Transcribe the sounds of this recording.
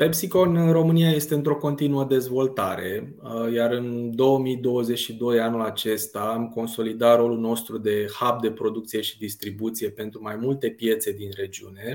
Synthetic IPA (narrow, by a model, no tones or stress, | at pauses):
pepsiko̞nɨro̞mɨniaje̞st̪e̞ɨnt̪ɾo̞ko̞nt̪inuəd̪e̞zvo̞lt̪aɾe̞ | jaɾɨnd̪o̞wəmid̪o̞wəze̞t͡ʃʲʃid̪o̞janulat͡ʃe̞st̪aːmko̞nso̞lid̪at̪ɾo̞lulno̞st̪ɾud̪e̞hap̚d̪e̞pɾo̞d̪uk̚t̪sije̞ʃi̥d̪ist̪ɾibut̪sije̞pe̞nt̪ɾumajmult̪e̞pje̞t̪se̞d̪inre̞d͡ʒiune̞